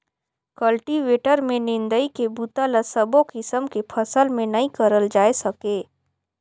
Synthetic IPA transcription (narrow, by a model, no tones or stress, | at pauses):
kəlʈiʋeːʈəɾmẽnɪ̃nd̪əikebut̪ələsəbõkɪsəmkepʰɐsəlmẽnɐĩkəɾəld͡ʒaːesɐkeː